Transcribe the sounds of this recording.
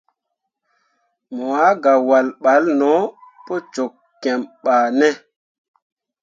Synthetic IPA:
mo˨a˨˦ɡa˨wa˨lɓa˨˦lnɔ˨˦po˦t͡ʃo˨kːɛ˨mɓaː˨nɛ˦

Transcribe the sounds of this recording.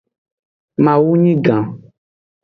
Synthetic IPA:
mã˨wu˦ɲĩ˦ɡã˨

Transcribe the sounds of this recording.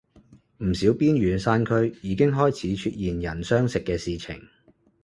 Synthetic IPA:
m̩˨˩siː˨˥wpiː˥nɥyː˨˥nsaː˥nkʰɵ˥ɥjiː˨˧kɪ˥ŋɦɔː˥jt͡sʰiː˨˥t͡ʃʰyː˧t̚jiː˨njɐ˨˩nsœː˥ŋsɪ˨kːɛː˧siː˨t͡sʰɪ̰˨˩ŋ

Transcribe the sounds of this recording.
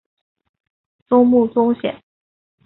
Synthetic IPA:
t͡sʊ˥ŋmu˥˩t͡sʊ˥ŋɕjɛ̰˨˩˦n

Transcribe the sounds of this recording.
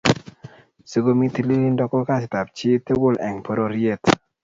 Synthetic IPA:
sə˨ɡo˦mi˦t̪i˨li˦li˦ndɔ˨˦kɔ˦ka˦˨s̬ɪ˨ta˨p̚t͡ʃɪ˦t̪e˦wʊ˨lɛ˨ŋpo˦ɾo˨ɾje˦˨t

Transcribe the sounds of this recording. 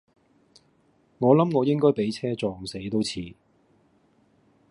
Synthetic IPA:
ŋɔː˨˧lɐ˨˥mŋɔː˨˧jɪ˥ŋkɔː˥jpe˨˥jt͡sʰɛː˥t͡sɔː˧ŋse˨˥jt̪o˥wt͡sʰiː˨˥

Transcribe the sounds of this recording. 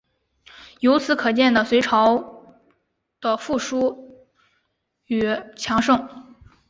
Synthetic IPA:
jo˧˥ʊt͡sʰɹ̩˧˥kʰɤ˨˩t͡ɕjɛ˥˩nd̪ə˩swe˧˥ɪʈ͡ʂʰɑ˧˥ʊ | d̪̥ə˧fu˥˩ʂu˥ | y˨˩t͡ɕʰjɑ˧˥ŋʂɤ˥˩ŋ

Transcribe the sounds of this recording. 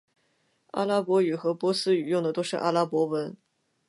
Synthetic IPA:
a̰˥la˥pwɔ˧˥y˨˩xɤ˧˥pwɔ˧˥sɹ̩˥y˨˩jʊ˥˩ŋd̪ə˩t̪o˥ʊʂɻ̩˥˩ʔa̰˥la˥pwɔ˧˥wə˧˥n

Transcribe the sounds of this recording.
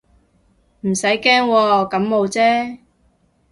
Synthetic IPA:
m̩˨˩sɐ˨˥jkɛː˥ŋwɔː˧kɐ˨˥mmo˨˧wt͡sɛː˦˥

